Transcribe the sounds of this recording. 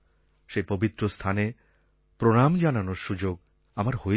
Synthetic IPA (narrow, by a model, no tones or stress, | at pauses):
ʃepobit̪ːɾost̪ʰane | pɾoɽamd͡ʑananoɾʃud͡ʑoɡ | amaɾho